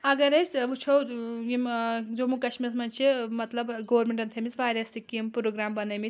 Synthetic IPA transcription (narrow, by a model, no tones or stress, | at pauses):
ɐɡɐɾɐjsʋut͡ʃʰowjimd͡zomukɐt͡ʃmiɾɐsmɐnt͡ʃʰemɐt̪lɐbɡoʋɐɾmeɳʈɐnt̪ʰemisʋaːɾɐsikimpɾoɡɾaːmbɐnɐmi